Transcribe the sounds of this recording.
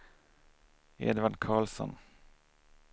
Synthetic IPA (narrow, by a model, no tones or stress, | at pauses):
ḛːd̪ʋɑɖkʰɑːlsɔ̰n